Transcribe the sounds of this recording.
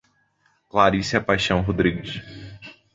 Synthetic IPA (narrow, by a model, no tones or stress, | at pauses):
klaɾisiɐpajʃɐ̃w̃ɦod̪ɾiɡɪʃ